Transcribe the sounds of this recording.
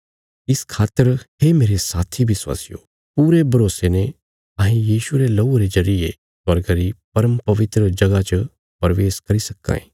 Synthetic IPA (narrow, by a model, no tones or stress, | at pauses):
ɪskʰaːt̪ːəɾhemeːɾesaːt̪ʰibʱɪswa̰ːsɪjo̰ | puːɾebʱɐɾoːsene | aːɦĩjiːʃuɾelɐuɾezɐɾɪe | sɐɾɡəɾipɐɾəmpɐʋɪt̪ɾəd͡ʒɐɡat͡ʃə | pɐɾʋeːskɐɾisɐkːa̰ːḭ̃ː